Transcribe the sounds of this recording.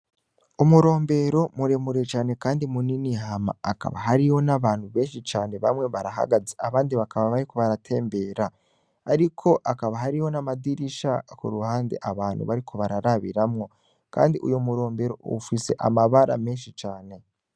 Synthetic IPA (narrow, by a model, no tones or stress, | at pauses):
umuɾo̞ːmbe̞ɾo̞muɾemuɾet͡ʃaːne̞kaːndimuniniɦama̰ːka̰βa̰ɦaɾiho̞naβaːnhuβe̞ːnʃit͡ʃaːne̞βamŋe̞βaɾaɦa̰ɡazeaβaːndiβakaβaβaɾiko̞βaɾatʰe̞ːmbe̞ɾaː | ɾikʰo̞ʔakaβaɦaɾiho̞namadiɾiʃakṵɾuhaːnde̞̰ʔaβaːn̥hṵβaɾikʰo̞βaɾaɾaβḭɾamŋo̞ | ka̰ːndiʔṵjomuɾo̞ːmbe̞ɾo̞̰ṵfise̞̰ʔa̰maβaɾa̰meːnʃit͡ʃaːne̞